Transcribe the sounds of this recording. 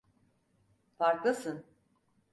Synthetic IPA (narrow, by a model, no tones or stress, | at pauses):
faɾklˠasɯn